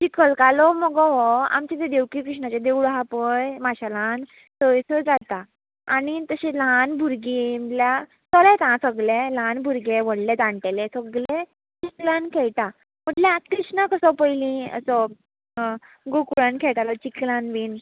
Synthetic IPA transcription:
t͡ɕikəlkalɔmɔɡɔ̃ɦɔa̰mt͡ɕed͡z̪ed̪ewkikɾuʂɳat͡ɕad̪ewɽɦapəjmaɕalãn | səjsʰəd͡zat̪a | añit̪əɕẽlanbʱuɾɡimlja | t͡sɔlat̪ãsəɡlelanbʱuɾɡeʋəɽlɛ̃d͡z̪ãɳʈelẽsəɡlẽ | t͡ɕiklankʰɛɭʈa | m̤əʈlẽakɾisnakəsɔpəjlĩə̰sɔ | ɡokuɭankʰɛʈ̪alɔt͡ɕiklãnʋin

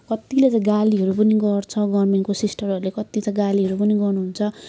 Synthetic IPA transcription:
kʌt̪ilet͡sãj̃ɡaliɦʌɾup̬ʌniɡʌrt͡sʰʌɡʌrmenkosisʈʌɾʌɾulekʌt̪ːit͡sãj̃ɡaliɦʌɾupʌniɡʌrnuɦunt͡sʰʌ

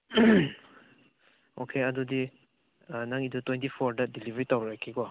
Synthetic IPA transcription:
okʰeɐdudi | naŋidutwentipʰoɾdɐdilibʱɐɾitawɾakʰːikɔ

